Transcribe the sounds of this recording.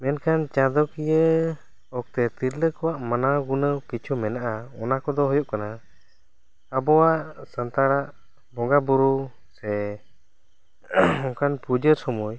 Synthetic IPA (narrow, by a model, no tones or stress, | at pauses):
mɛnkʰant͡ʃad̪ɔkijə | ɔk̚t̪ɛt̪iɾləkɔwaʔmanaɡunəkit͡ʃʰumɛnaʔaɔnakɔd̪ɔɦɔjɔʔkana | abɔwaʔsənt̪aɽaʔ | bɔŋɡabuɾu | sɛ | ɔkanpud͡ʒəɾsɔmuj